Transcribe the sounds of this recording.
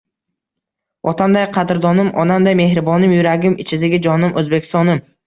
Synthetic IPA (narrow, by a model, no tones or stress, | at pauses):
ɒt̪ʰamd̪ajqʰɑd̪ɪɾd̪ɒnɪmʔɒnamd̪ajme̞hɾɪbɒnɪmjʊɾaɡʲɪmɪt͡ʃʰɪd̪ɪɡʲɪd͡ʒɒnɪmɵzbe̞kʲʰɪ̥st̪ɒnɪm